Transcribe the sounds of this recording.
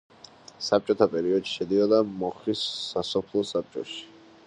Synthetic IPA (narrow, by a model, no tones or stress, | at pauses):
sap̚t͡ʃʼɔt̪ʰapʼɛɾiɔd̪ʃi̥ʃɛd̪iɔd̪amɔχlisːasɔpʰlˠɔsap̚t͡ʃʼɔ̰ʃi̥